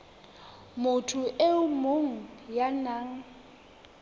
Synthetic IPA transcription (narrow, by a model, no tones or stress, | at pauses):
mʊtʰʊʔeʊmoŋ̩janaːŋ̩